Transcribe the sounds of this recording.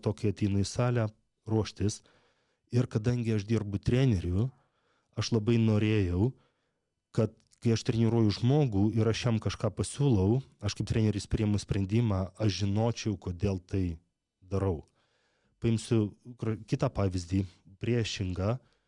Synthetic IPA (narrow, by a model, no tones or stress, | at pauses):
t̪oːkʲɪɐt̪ʲɛɪnʊɪsɑːlʲæ | ɾuɔʃʲt̪ʲɪs | ɪɾkɐd̪ɐŋʲɡʲɪɐʃd̪ʲiɾbʊt̪ʲɾʲæːnʲɛɾʲʊ | ɐʃlˠɐbɐɪnoːɾʲeːjɛʊ | kɐt̪̚ | kɐɪɐʃt̪ʲɾʲɛnʲiɾuɔjʊʒmoːɡuːɪɾɐʃjɛmkɐʃkɑːpɐsʲuːlˠɐʊɐʃkɐɪp̚t̪ɾʲæːnʲɛɾʲɪsʲpʲɾʲiɛmʊsʲpʲɾʲɛnʲd̪ʲɪmɑːʔɐʃʒʲɪnoːt͡ʃʲɛʊkoːd̪ʲeːlˠt̪ɐɪ | d̪ɐɾɐʊ | pɐɪmsʲʊkɾɐkʲɪt̪ɑːpɑːʋʲɪzʲd̪ʲiːpʲɾʲiɛʃʲɪŋɡɑː